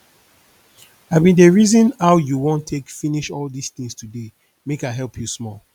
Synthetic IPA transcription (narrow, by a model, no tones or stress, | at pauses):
abĩndəɹizɔ̃naʊjuwõntʰekfiniʃɔldisθĩŋstude | mekaɦɛlpʰjusmɔl